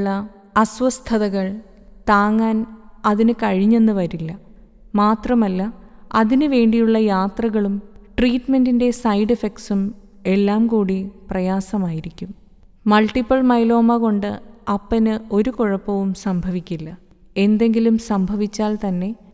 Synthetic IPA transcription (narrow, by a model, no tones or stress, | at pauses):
ɭːɐ | ɐswɐst̪ʰɐðɐɣɐɭ | t̪aːŋːaːnɐðinɨkɐɻiɲːe̞nːɨʋɐɾilːɐ | maːt̪rɐmɐlːɐɐðinɨʋe̞ːɳɖijuɭːɐjaːt̪rɐɣɐɭumʈriːtmendinde̞sɐjɖifeksum | e̞lːaːmkuːɽiprɐjaːsɐmaːjiɾikʲːum | mɐlʈipːɐlmɐjlo̞ːmɐɣo̞ɳɖɨɐpːɐnɨo̞ɾukoɻɐpːɐʋumsɐmbʱɐʋikʲːilːɐ | e̞nd̪e̞ŋɡilumsɐmbʱɐʋit͡ɕːaːlt̪ɐnːe̞